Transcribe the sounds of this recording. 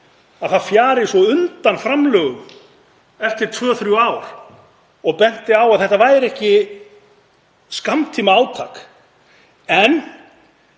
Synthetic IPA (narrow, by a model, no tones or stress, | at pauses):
aðθaðfjaːɾɪ̥sɔʏnt̪anfɾamlœːɣʏm | ɛft̪ɪɾ̥t̪ʰvœːɔθɾjuaːwɾ̥ | ɔɣpɛn̥t̪ɪawaðθɛht̪avaːjɾɛhcɪ | skamt̪ʰiːmaaːwt̪ʰaːk | ɛn